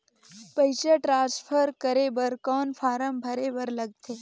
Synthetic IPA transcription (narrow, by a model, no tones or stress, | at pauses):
pəjɕəʈɾãspʰəɾkəɾebəɾkɔːnfaɾəmbʱəɾebəɾləɡt̪ʰe